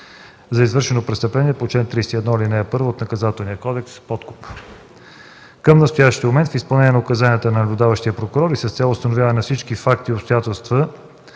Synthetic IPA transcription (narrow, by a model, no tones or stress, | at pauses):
zɐizvɤɾʃɛnopɾɛst̪əplɛniɛpot͡ʃlɛnt̪ɾist̪iɛd̪nɔilinɛːpɤɾvoːt̪nɐkɐzat̪ɛlˠnijəkɔd̪ɛkspɔt̪kʊ̥p | kəmnɐst̪ʊjaʃt̪iəmomɛnt̪fispɐlˠnɛnʲiɛnʊkɐzaniət̪ənɐnɐblʲʊd̪avəʃt̪iəpɾokʊɾɔɾisəst̪sʲɛlˠʊst̪ɐnʊvʲjavənɐfsit͡ʃkifak̚t̪iːopst̪ʊjat̪ɛlˠst̪və